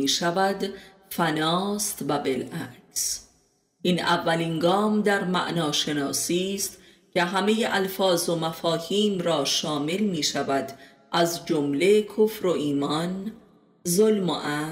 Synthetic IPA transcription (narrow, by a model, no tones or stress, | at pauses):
iːʃævæd̪ | fænɒːst̪væbelʔæɾz̥ | ʔiːnævːæliːnɡɒːmd̪æɾmæ̰ʔnɒːʃe̞nɒːsiːst̪ | cʰe̞ɦæmejeʔælfɒːzo̞mæfɒːhiːmɾɒːʃɒːmelmiːʃævæd̪ | ʔæzd͡ʒomle̞kʰofɾo̞ʔiːmɒn | zolmo̰ʔæ